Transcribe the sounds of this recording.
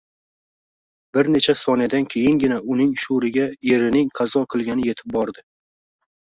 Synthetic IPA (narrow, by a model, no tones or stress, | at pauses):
bɪɾne̞t͡ʃʰasɒnɪd̪ankʲʰe̞jɪŋɡʲɪnaʊnɪŋʃuɾɪɡʲaje̞ɾɪnɪŋqʰɑzɒqʰɨlˠɡʲanɪje̞t̪ʰɪ̥p̚bɒɾd̪ɪ